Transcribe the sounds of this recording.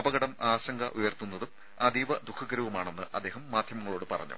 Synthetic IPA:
ɐbɐɣɐɽɐmaːɕɐŋɡɐʔujɐrt̪ːunːɐðum | ɐd̪iːʋɐd̪ukʰːɐɣɐɾɐʋumaːɳe̞nːɨʔɐd̪ːe̞ːɦɐmːaːd̪ʱjɐmɐŋːɐɭo̞ːɽɨpɐrɐ̰ɲːṵ

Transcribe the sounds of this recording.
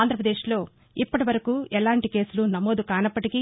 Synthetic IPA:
nd̪ɾɐpɾɐd̪eːʂlo̞ː | ipːɐʈiʋɐɾɐkuːɛlaːɳʈike̞ːsulunɐmo̞ːd̪ukaːnɐpːɐʈiki

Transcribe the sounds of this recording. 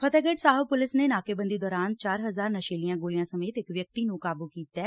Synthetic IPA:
pʰət̪ɛːɡɛːɖsaːɦəpʊlɪsneːnaːkeːbə̃nd̪iːd̪ɔːɾaːnt͡ʃaːɾɦəzaːɾnəʃeːlijãːɡoːlɪjãːsəmeːt̪ɪkʋjək̚t̪iːnũːkaːbuːkiːt̪ɛː

